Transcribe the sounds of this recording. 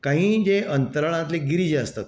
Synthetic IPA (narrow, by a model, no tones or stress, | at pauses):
kãɦĩːd͡ʑeʔənt̪əɾəɭ̃ãt̪leɡiɾid͡ʑeəst̪at̪